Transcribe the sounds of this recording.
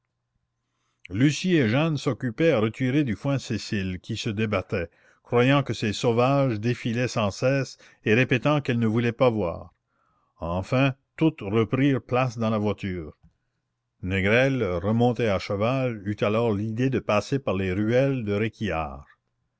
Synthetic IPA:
lysieʒansɔkʲypɛaʁət̪ʰiʁed̪yfwɛ̃sesilkʲʰisəd̪ebat̪ɛ | kʁwajɑ̃kəsesovaʒd̪efilɛsɑ̃sɛːs | eʁepet̪ɑ̃kɛlnəvulɛpavwa̰ːʁ | ɑ̃fɛ̃t̪ut̪ʁəpɾiːʁplasd̪ɑ̃lavwat̪yːʁ | nɛɡʁɛlʁəmɔ̃t̪eaʃəvalyt̪alɔːʁlid̪ed̪əpaːsepaʁleʁyɛld̪əʁekʰia̰ːʁ

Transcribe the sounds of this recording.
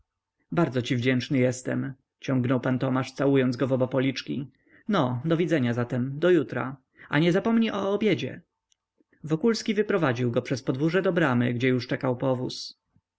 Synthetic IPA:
baɾd̪zɔt͡ɕivd͡ʑɛnt͡ʂnɘjɛst̪ɛm | t͡ɕɔŋɡnɔwpant̪ɔmaʂt̪sawujɔnzɡɔvɔbapɔlʲit͡ʂkʲi | nɔd̪ɔvʲid̪zɛɲazat̪ɛmd̪ɔjut̪ɾa̰ | a̰ɲɛzapɔmɲiʔɔːbʲjɛd͡ʑɛ̰ | vɔkulskʲivɘpɾɔvad͡ʑiwɡɔpʂɛspɔd̪vuʐɛd̪ɔbɾamɘ̰ɡd͡ʑɛjuʂt͡ʂɛkawpɔvus

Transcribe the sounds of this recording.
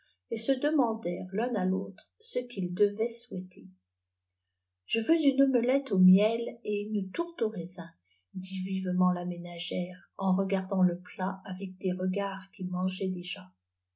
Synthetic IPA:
esəd̪əmɑ̃d̪ɛʁlɛ̃nalot̪χsəkʲild̪əvɛswɛt̪ʰe | ʒ̥əføzynməlɛt̪omjɛleynət̪uʁt̪oʁezɛ̃ | d̪ivivmɑ̃lamenaʒɛʁ | ɑ̃ʁəɡaʁd̪ɑ̃ləplaavɛk̚d̪eʁəɡaʁkʲimɑ̃ʒɛd̪eʒa

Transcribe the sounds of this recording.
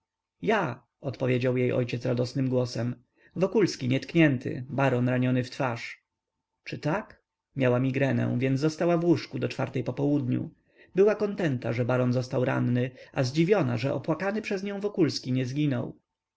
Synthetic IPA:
ja | ɔt̪pɔvʲjed͡ʑawjejʔɔ̰jt͡ɕɛt̪sɾad̪ɔsnɘmɡwɔsɛm | vɔkulskʲiɲɛt̪kɲɛnt̪ʰɘ̰baɾɔnɾaɲɔnɘft̪faʂ | t͡ʂɘt̪ak | mʲjawamʲiɡɾɛnɛ̰̃vʲjɛnzd̪ɔst̪awavwuʂkud̪ɔt͡ʂfaɾt̪ɛjpɔpɔwud̪ɲṵ | bɘwakɔnt̪ɛnt̪aʐɛbaɾɔnzɔst̪awɾa̰nːɘʔazd͡ʑivʲjɔnaʐɛʔɔpwakanɘpʂɛzɲɔ̃w̃vɔkulskʲiɲɛzɡʲinɔ̰w

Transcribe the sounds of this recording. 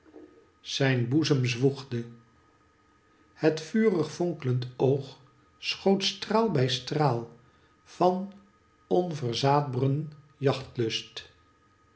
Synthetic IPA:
z̥ɛjnbuzəmzʋuχdə | hətfyːrəχfɔŋkələntowχ | sχowtstraːlˠbɛjstraːlˠ | v̥ɑn | ɔnvəɹzaːd̚brən | jɑχtlɵst

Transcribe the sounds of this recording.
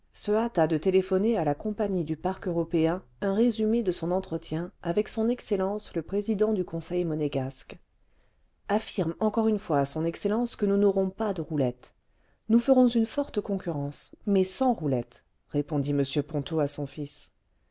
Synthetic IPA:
səat̪ad̪ət̪elefɔnealakɔ̃paɲid̪ypaʁkøʁɔpeɛ̃ | ɛ̃ʁezymed̪əsɔ̃nɑ̃t̪χət̪jɛ̃avɛksɔ̃nɛkselɑ̃sləpχezid̪ɑ̃d̪ykɔ̃sɛjmɔneɡask | afiʁmɑ̃kɔʁynfwaːsɔ̃nɛkselɑ̃skənunɔʁɔ̃pad̪əʁulɛt̪ | nufəʁɔ̃zynfɔʁt̪əkɔ̃kʲyʁɑ̃smɛsɑ̃ʁulɛt̪ | ʁepɔ̃d̪iməsjøpɔ̃t̪oasɔ̃fis

